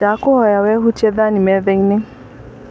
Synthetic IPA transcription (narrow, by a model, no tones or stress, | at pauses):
akʊhɔjawɛɦutɛðanĩmɛðɛinɪ